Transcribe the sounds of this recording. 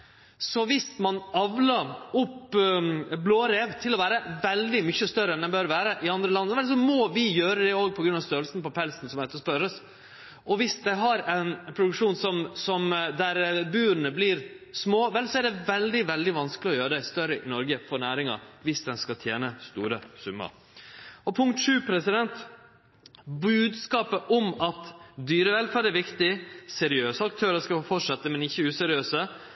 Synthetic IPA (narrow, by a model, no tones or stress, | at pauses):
sɔʋɪsmɑnɑʋləʊpː | bloːɾeːʋt̪ʰɪlɔʋæːɾəʋɛld̪ɪmʏçːəst̪œɾənɛnbøɾʋæːɾəʔɪɑnd̪ɾəlɑnːəʋɛls̬ɔmɔʋɪjøːɾəd̪ɛoːɡ̚pʰɔɡɾʉnɑʋst̪øːɾlsn̩pɔpʰɛlsnsɔmɛt̪ːɔspœɾəs | ʔɔʋɪsd̪æɪɦɑɾɛɪnpʰɾʊd̪ʉkʂuːnsɔmsɔmd̪æɾbʉːɾnəblɪːɾsmoːʋɛlsɔɛɖ̪ɛʋɛld̪ɪʋɛld̪ɪʋɑnskəlɪɔjøːɾəd̪æɪst̪œɾəʔɪnɔɾɡəfɔɾnæːɾɪŋɑ̰ʋɪsd̪ɛnskɑt̪ʰjeːnəst̪ṵːɾəsʉmːə̰ɾ | ɔpʰʊŋk̚t̪ʂʉːpʰɾɛsɪd̪ɛnt̪ | bʉːd̪skɑːpəʔɔmɑt̪d̪yːɾəʋɛlfæːɾɖɛʋɪkt̪ɪsɛɾɪøːsəɑk̚t̪ʰøːɾəskɑfɔʈʂɑt̪ːəmɛnɪçːəʉːsɛɾɪøːsə